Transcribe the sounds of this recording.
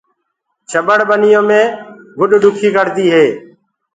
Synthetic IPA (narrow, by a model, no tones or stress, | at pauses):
t͡ʃʰəɓəɽbənɪjõːmẽːɡʱʊɗɖʊkʰiːkəɽd̪iːɦeː